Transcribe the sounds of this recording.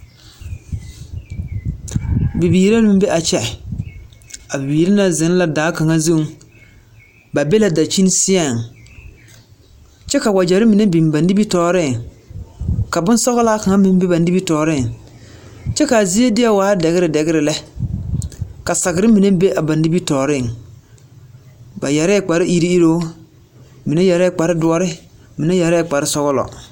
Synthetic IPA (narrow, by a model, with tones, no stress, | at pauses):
bi˨biː˨ɾa˦nʊ˦mbe˦ʔa˨t͡ʃɛ˨ | a˨bi˨biː˨ɾa˦na˨zɪ˨˦n˦la˨daː˨˦ka˨ŋa˦zu˦ŋ | ba˨be˦la˦˨da˨t͡ʃi˦n˦sɪ˦a˦˨ŋ | t͡ʃɛ˦ka˨wa˨d͡ʒɛ˨ɾɪ˦mi˨ne˦bi˨m˨ba˨ndi˦bi˦tɔː˨ɾɪ˦˨ŋ | ka˨bʊ˦n˦sɔ˦ɣʊ˦la˦ka˨ŋa˦mɪ˦m˦be˦ba˨ndi˦bi˦tɔː˨ɾɪ˦˨ŋ | t͡ʃɛ˦ka˨zi˦e˦dɪ˦a˦waː˨˦dɛ˨ɣɪ˦ɾɪ˨dɛ˨ɣɪ˦ɾɪ˨lɛ˦ | ka˨sa˨ɡɪ˨ɾɪ˦mi˨ne˦be˦ʔa˨ba˨ndi˦bi˦tɔː˨ɾɪ˦˨ŋ | ba˨jɛ˨ɾɛ˦˨k͡pa˨ɾɪ˦ʔi˦ɾi˦i˦ɾo˦ | mi˨ne˦jɛ˨ɾɛ˦˨k͡pa˨ɾɪ˦dʊ˦ɔ˦ɾɪ˦ | mi˨ne˦jɛ˨ɾɛ˦˨k͡pa˨ɾɪ˦sɔ˦ɣʊ˦lɔ̰˨